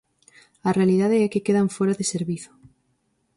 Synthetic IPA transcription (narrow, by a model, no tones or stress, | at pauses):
ɐrealiðaðeɛkɪkeðaɱfoɾaðɪseɾβiθʊ̥